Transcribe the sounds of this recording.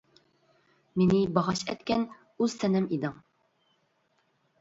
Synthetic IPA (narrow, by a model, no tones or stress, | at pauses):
menɪbɑʁɑʃɛ̰t̪kʲɛn | ʉz̥sɛnɪmid̪ɨŋ